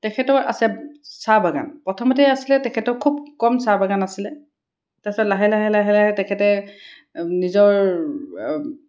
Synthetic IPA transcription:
tɛkʰɛtɔʔa̰sɛsabaɡa̰npɹɔtʰɔmɔt̬iasilɛtɛkʰɛtɔkʰub̚kɔmsabaɡanasilɛ | tasɔlaɦɛlaɦɛlaɦɛlaɦɛtɛkʰɛtɛ | nizɔɹ

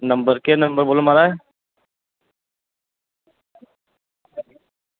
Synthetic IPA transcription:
nəmbəɾkenəmbəɾbolumaɾaj

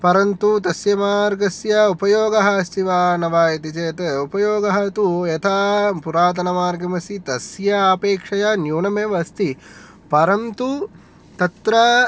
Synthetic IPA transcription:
pɐɾɐnt̪ut̪ɐsjɐmaːɾɡɐsjɐupɐjoːɡɐɦɐst̪iʋaːnɐʋaːjɐt̪it͡ʃeːt̪ɐupɐjoːɡɐɦɐt̪ujɐt̪ʰaːpuɾaːt̪̬ɐnɐmaːɾɡɐmɐsit̪ɐsjɐpeːkʂɐjɐnjuːɳɐmeʋɐst̪ʰi | pɐɾɐnt̪u | t̪ɐt̪ɾɐ

